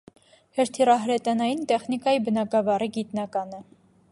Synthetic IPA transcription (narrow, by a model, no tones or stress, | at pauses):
hɛɾt̪ʰirɑɦɾɛt̪ɑnɑjint̪ɛχnikɑjibənɑɡɑvɑriɡit̪nɑkɑnə